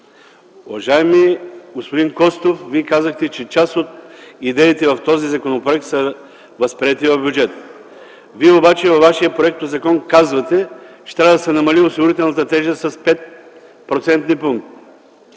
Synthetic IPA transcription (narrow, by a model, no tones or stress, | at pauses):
ʊvɐʒaɛmiɡospod̪iŋkɔst̪ofviɛkazəxt̪ɛt͡ʃɛt͡ʃasot̪id̪ɛit̪ɛvɐft̪ɔzizɐkonopɾoɛk̚t̪sə | vɐspɾiɛt̪ivɐvbʲjud͡ʒɛt̪ | viɛobat͡ʃɛvɐvːaʃijəpɾoɛk̚t̪ozɐkɔnkazvɐt̪ɛt͡ʃɛ̥t̪ɾavɐəd̪ɐsɛnɐmɐliʊsiɡʊɾit̪̬ɛlˠnɐt̪ət̪ɛʒəst̪ːɐspɛt̪̚ | pɾot̪sɛnt̪nipuŋk̚t̪